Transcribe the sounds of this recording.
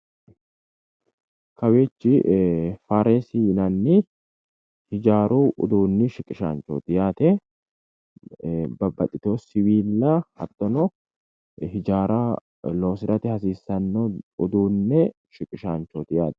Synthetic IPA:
kɐweːt͡ʃːɪfaːɾeːsinɐnːɪ | hɪd͡ʒaːɾuːʔʊ̰d̪uːnːɪʃɪkʼɪʃa̰ːnt͡ʃːo̰ːt̪ɪjaːt̪ɛ | bɐbːɐt̪ʼɪt̪oːsɪwiːlːɐhɐ̰t̪ʼːɔnɔ | ɦɪd͡ʒaːɾaː | lo̞ːsɪɾɐt̪ɪhɐsiːsːɐnːoʊd̪uːnːɛ | ʃɪkʼɪʃaːnt͡ʃːoːt̪ɪjaːt̪ɛ̥

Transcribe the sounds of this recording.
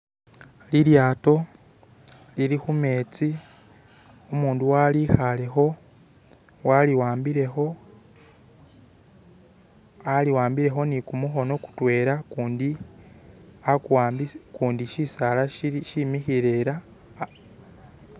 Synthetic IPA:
liɾjaːto̞ | liɾixume̞ːt͡si | omuːnduwalixale̞xo̞ | waliwaːmbiɾexo̞ | aliwaːmbiɾe̞xo̞nikumuxo̞no̞ku̥twe̞ːɾakundi | akwaːmbikuːndiʃisalaʃimixiɾeɾa

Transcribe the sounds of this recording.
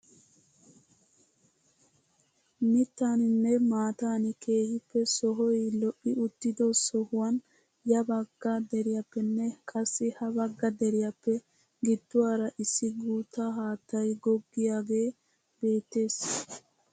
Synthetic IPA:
mɪt̪ːaːnɪnːɛmaːt̪aːnɪkʰe̞ːhɪpːɛsɔɦɔjlɔʔːɪʊt̪ːɪd̪osɔhʊwɐn | jɐbɐɡːɐd̪ɛɾɪjɐpːɛnːɛkʼɐsːɪhɐbɐɡːɐd̪ɛɾɪjɐpːɛ | ɡɪd̪ːʊwaːɾɐʔɪsːɪɡuːt̪ːaɦaːt̪ːɐjɡɔɡːɪjaːɡe̞ː | be̞ːt̪ːe̞ːs

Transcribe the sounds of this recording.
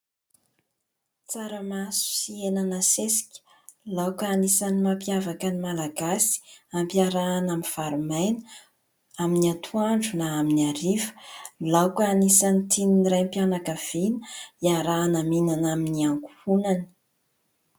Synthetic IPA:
t͡saɾəmasu̥sienanəsesi̥kʲə̥ | lawkəanisanimampijavakənimalaɡasi̥ampiaɾaːnamiv̥aɾumajnə | aminiat̪ʰuaɳɖ͡ʐunaːminiaɾivə̥lawkanisanit̪ʰininiɾajmpianakəv̥inəiaɾaːnaminanaminiaŋku̥hunanə̥

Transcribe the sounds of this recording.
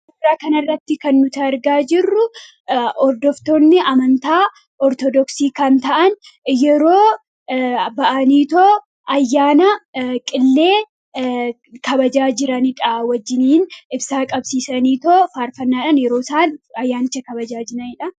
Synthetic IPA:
ɪɾaːkɐnɐrːɐt̪ːɪkɐnːʊt̪ɐɾɡaːd͡ʒɪrːʊ | ɔɾd̪ɔft̪oːnːɪɐmɐnt̪aː | ʔɔɾt̪ɔd̪ɔksiːkɐnt̪ɐʔɐn | jɛɾo̞ː | bɐʔɐniːt̪oː | ʔɐjːaːnɐkʼɪlːe̞ː | kɐbɐd͡ʒaːd͡ʒɪɾɐnɪᶑɐwɐd͡ʒːɪniːnɪbsaːkʼɐbsiːsɐniːt̪oːfaːɾfɐnːaːᶑɐnjɛɾoːɪsaːnɐjːaːnɪt͡ʃːɐkɐbɐd͡ʒaːd͡ʒɪɾɐnɪᶑɐ

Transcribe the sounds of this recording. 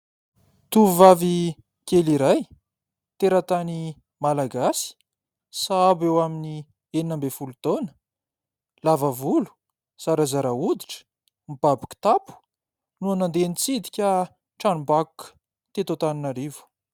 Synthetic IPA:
t̪uvuvavi | keliɾaj | t̪eɾat̪ani | malaɡasi̥ | sabewamini | eninambefulut̪onə̥ | lavavulu̥ | saɾazaɾaud̪iʈ͡ʂə̥ | mibabikʲi̥t̪apu̥ | nuanand̪enit͡sid̪i̥kʲa | ʈ͡ʂanumbakukə̥ | t̪et̪ot̪aninaɾivu̥

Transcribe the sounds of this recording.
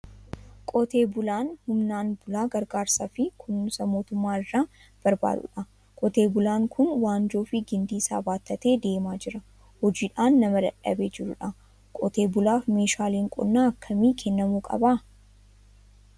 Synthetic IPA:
kʼɔt̪eːbʊlaːnhʊmnaːnbʊlaːɡɐɾɡaːɾsaːfɪkʰʊnːʊsɐmo̞ːt̪ʊmːaːɪrːaː | b̥ɐɾba̰ːd̪ʊ̰ᶑɐ | kʼɔt̪e̞ːbʊlaːŋkʰʊnwaːnd͡ʒo̞ːfɪɡɪnd̪iːsa̰ːbaːt̪ːɐt̪e̞ːd̪e̞ːmaːd͡ʒɪɾɐ | hɔd͡ʒiːᶑaːnːɐmɐd̪ɐᶑɐ̰beːd͡ʒɪɾʊ̰ᶑɐ | kʼɔt̪e̞ːbʊlaːfme̞ːʃaːleːŋkʼɔ̰nːaːɐkʰːɐmiːkʰɛnːɐmuːkʼɐ̰baː

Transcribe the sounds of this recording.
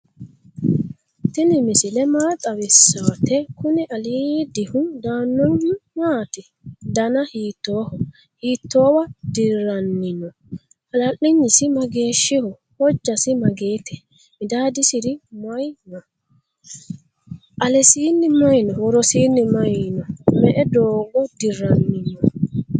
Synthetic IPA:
t̪ɪnɪmɪsɪlɛmaːt̪ʼɐwɪsːaːt̪ɛkʊnɪʔɐliːd̪ɪhʊnd̪aːnːɔnmaːt̪ɪ | d̪ɐnɐhiːt̪ːo̞ːhɔ | hiːt̪ːo̞ːwɐd̪ɪɾɐnːɪnɔ | hɐlɐʔːɪɲːɪsɪmɐɡe̞ːʃːɪhɔ | hɔd͡ʒːɐsɪmɐɡeːt̪ɛ̥ | mɪd̪aːd̪ɪsɪɾɪmɐjnɔ | ʔɐlɛsiːnːɪmɐjnɔwɔɾɔsiːnːɪmɐjnɔmɛʔɛd̪oːɡɔd̪ɪrːɐnːɪnɔ

